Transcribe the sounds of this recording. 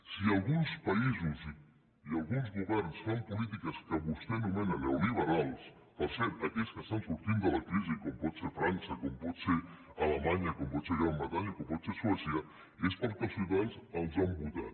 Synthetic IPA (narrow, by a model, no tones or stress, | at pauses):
sialɣunspaizuzi | ialɣunzɣuβɛɾnsfampulit̪̬ikɐskəβust̪enumenalewliβɐɾalˠs | pɐɾseɾɐkeskəst̪ansuɾt̪ind̪ɐlakɾizikompɔt̪sefɾansɐkompɔt̪se | alɐmaɲakompɔt̪seɣɾambɾɐt̪aɲikompɔt̪seswɛsja | espaɾk̪asut̪alsɐlzambud̪a̰